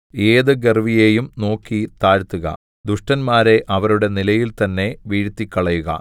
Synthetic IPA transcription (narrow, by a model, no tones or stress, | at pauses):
e̞ːðɨɡerʋije̞ːjumno̞ːkːit̪aːɾt̪ːuɣɐ̰ | d̪uʂʈɐnmaːɾe̞ʔɐʋɐɾuɽe̞nilɐjilt̪ɐnːe̞ʋiːɻt̪ːikʲːɐɭɐjuɣɐ̰